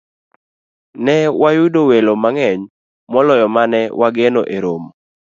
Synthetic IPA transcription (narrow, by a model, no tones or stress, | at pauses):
nɛwajʊdowelomaŋɛɲ | mɔlɔjɔmanɛwaɡenoʔeɾom